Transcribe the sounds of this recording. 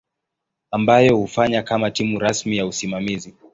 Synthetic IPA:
ambajɔhufaɲakamatimuɾasmijausimamizi

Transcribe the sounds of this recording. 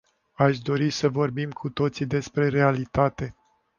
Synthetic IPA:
aʃd̪o̞ɾisəvo̞rbimkʰut̪o̞t̪sid̪e̞spɾe̞ɾe̞alit̪at̪e̞

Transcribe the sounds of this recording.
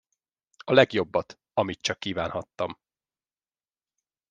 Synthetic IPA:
ɒlɛɡjo̞bːɒt̪ | ɒmit̪t͡ʃɒkːiːvaːnhɒt̪ːɒm

